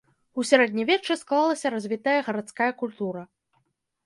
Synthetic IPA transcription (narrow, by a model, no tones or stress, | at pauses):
usʲaɾɛd̪ʲnʲivʲɛt͡ʂɨsklˠalˠɐsʲɐɾazʲvʲit̪ɐjɐɣɐɾat̪skajɐkulʲt̪uɾɐ